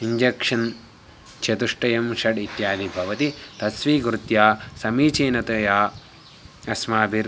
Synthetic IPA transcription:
iɲd͡ʒekʂɐn | t͡ʃɐt̪uʂʈɐjɐmʃɐɖit̪jaːd̪ʱibʱɐʋɐt̪it̪ɐsʋiːɡɾut̪jaːsɐmiːt͡ʃeːnɐt̪ɐjaː | ɐsmaːbʱiɾ

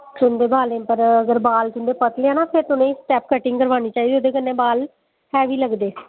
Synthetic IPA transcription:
t͡ʃʊnd̪eːbaːlẽːpəɾəɡəɾbaːlt̪ʊnd̪eːpət̪leːɛ̃ːnaːpʰɪɾt̪ʊnẽːsʈɛːpkəʈɪŋɡkəɾʋaːniːt͡ʃaːiːd̪iːoːd̪eːkənːẽːbaːl | hɛːʋiːləɡd̪eː

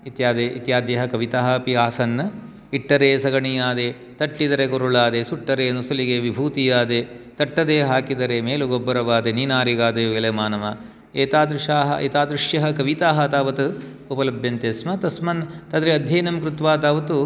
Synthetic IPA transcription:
it̪jaːd̪eḭt̪jaːd̪jɐɦɐkɐʋit̪aːɦɐpiaːsɐnːɐ | iʈːɐɾeːsɐɡɐɳijaːd̪e | t̪ɐʈːid̪ɐɾekoɾuɭaːd̪esuʈːɐɾeːnusɐliɡeʋibʱuːt̪ijaːd̪et̪ɐʈːɐd̪eːɦaːkid̪ɐɾemeːluɡobːɐɾɐʋaːd̪eniːnaːɾiɡaːd̪eʋelɐmaːnɐmɐ | eːt̪aːd̪ɾuʂaːɦɐ̰ʔḛːt̪aːd̪ɾuʂjɐɦɐ̆kɐʋit̪aːɦɐt̪aːʋɐt̪u | upɐlɐbʱjɐnt̪eːsmɐt̪ɐsmɐnt̪ɐd̪ɾeɐd̪ʱjɐːnɐmkɾut̪ʋaːt̪aːʋɐt̪u

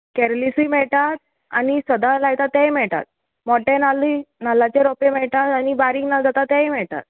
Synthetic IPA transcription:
kɛɾlisijmɛɭʈat̪̚ | a̰nisəd̪alaɡt̪at̪ːɛ̃jmɛɭʈ̪a̰t̪̚ | mɔʈẽnalinalːat͡ɕeɾɔpemɛɭʈ̪at̪anibaɾiŋɡnad͡zat̪at̪ːɛ̃jmɛɭʈ̪a̰t̪̚

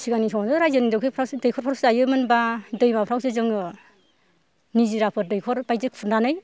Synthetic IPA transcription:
sʰiɡanisʰɔŋazɯɾajzɯnidɯkʰɯpʰɾawsdɯjkʰɔɾpʰɔɾsajɯmɯnbadɯjmapʰɾawsɯzɯŋ | niziɾapʰɯdɯjkʰɔɾbajzɯkpʰuɾndanɯj

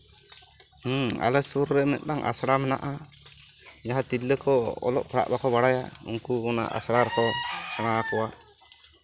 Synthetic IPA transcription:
a̰lɛsuɾːɛmɛ̰t̪̚ˀnaŋʔa̰sɽamɛna̰ʔa | jaɦat̪ilːəkɔɔ̰lɔʔpʰɽa̰ʔbakɔbaɽaja̰ṵŋkuɔna̰ʔa̰sɽaɾɛkɔsaɽ̃akɔwa

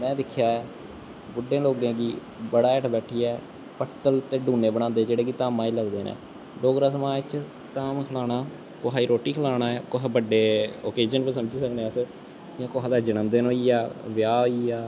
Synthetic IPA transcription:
mɛ̃ːd̪ɪkʰːjaːɛː | bʊɖːẽːloːɡẽːɡiː | bəɽaːɛːʈʰbɛːʈʰiːɛː | pəʈt̪əlt̪eːɖuːneːbəɽ̃ãːnd̪eːd͡ʒeːɽeːkit̪aːmãːiːləɡd̪eːnɛ̰ː | ɖoːɡɾaːsəmãːt͡ʃ | t̪aːmkʰlaːɽaː | koɦaːiːɾoːʈːiːkʰəlaːɽaːɛːkoɦbəɖeːoːkeːd͡ʒənpəɾsəmd͡ʒiːsəkneːəs | ãːkoːɦad̪aːd͡ʒɪnəmd̪eːnoːiːaːʋɪjaːoːiːaː

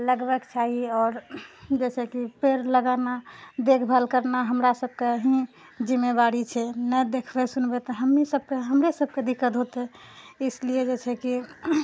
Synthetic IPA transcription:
ləɡbəɡt͡ʃʰaɦiɔːɾd͡ʒɛt͡ʃʰɛkipeɾləɡanad̪ekʰbʱəlkəɾnaɦəmɾasəb̚keɦĩ | d͡ʒimːebaɾit͡ʃʰɛnɛd̪ekʰbɛsunbɛt̪ɔɦəmːisəb̚ʱkeɦəmɾesəb̚ʱked̪ikːət̪ɦot̪eislied͡ʒet͡ʃʰɛki

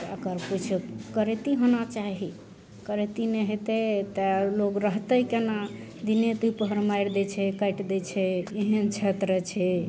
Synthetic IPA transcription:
əkəɾput͡ʃʰkəɾet̪iɦonat͡ʃaɦi | kəɾet̪ineɦet̪et̪eloɡɾəɦt̪əikena | d̪inet̪uipəɦəɾmajɾd̪ɛt͡ʃʰɛkəjʈd̪ɛt͡ʃʰɛeɦənt͡ʃʰet̪ɾət͡ʃʰɛ

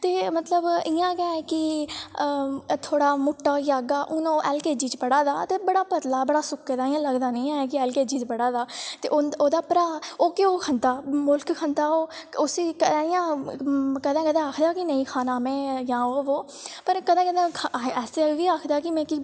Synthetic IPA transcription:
t̪eːmət̪ləbɪjãːkɛ̃ːɛːkɪ | t̪ʰoːɽaːmʊʈːaːjaːɡaːʔʊnõːʔɛːlkeːd͡ʒiːt͡ʃpəɽaːd̪aːt̪eːbəɽaːpət̪laːbəɽaːsʊkːeːd̪aːɪjãːləɡd̪aːnəĩːãːk̬ɪɛːlkeːd͡ʒiːt͡ʃpəɽaːd̪aːt̪ḛːʔooːd̪aːpɾaːoːkɪoːkʰə̃nd̪aːmʊlkkʰə̃nd̪aːoːʊsiːkəɪjãː | kəd̪ãːkəd̪ãːaːkʰd̪aːkɪnəĩːkʰaːnaːmɛ̃ːjãːoːoː | pəɾkəd̪ãːkəd̪ãːɛːseʋiːaːkʰd̪aːkɪmɛ̃ːki

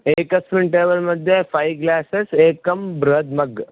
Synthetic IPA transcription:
eːkɐspɾɪɳʈeːʋəlmɐd̪ʱjefajɡlaːseseːkɐmbɾɐɦd̪mɐɡ

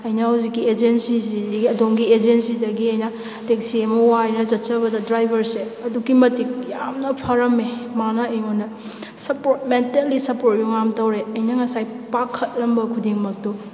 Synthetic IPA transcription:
ɐjnahuziɡied͡ʒensisizɡiɐdomɡied͡ʒensidɐɡiɐjna | tek̚siemowajnɐd͡ʒɐtt͡ʃɐβɐdɐdɾajbʱɐɾseɐduɡimɐtik̚jamnɐpʰaɾɐmemanɐɐjonɐ | sɐpoɾt̚mentelːisɐpoɾt̚juŋamtɐwɾeɐjnɐŋɐsajpakʰːɐt̚lɐmbɐkʰudiŋmɐk̚to

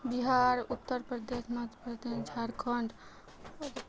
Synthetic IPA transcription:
biɦaɾut̪ːəɾpɾəd̪esmɐt̪pɾəd̪end͡ʒʱaɾkʰəɳɖ

